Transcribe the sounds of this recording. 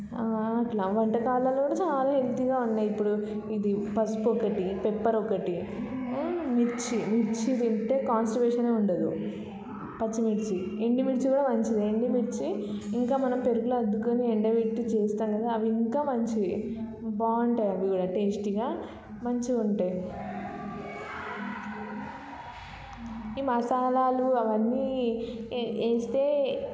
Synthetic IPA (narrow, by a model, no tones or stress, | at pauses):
aːɐʈlaːʋɐɳʈɐkaːlɐːlokuːɽaːt͡ʃaːlaːɦe̞lt̪iɡaːunːaːjipːuɽu | id̪ipɐspɔkɐʈipepːɐɾɔkɐʈi | miɾt͡ʃimiɾt͡ʃit̪iɳʈeːkaːnsʈɐɾbeːʂɐne̞ːuɳɖɐd̪u | pɐt͡ʃːimiɾt͡ʃieɳɖimiɽt͡ʃikuːɽaːmɐɲt͡ʃid̪ieɳɖimiɾt͡ʃiːŋkaːmɐnɐmpeɾuɡuluɐd̪ːukoːnieɳɖɐʋeʈːit͡ʃeːst̪aːnkɐd̪aɐʋiiŋkaːmɐɲt͡ʃi | baːuɳʈajɐʋiɡuːɽaːʈesʈiɡaː | mɐɲt͡ʃiuɳʈaj | iːmɐsaːlaːluɐʋɐnːiː | eːst̪e̞ː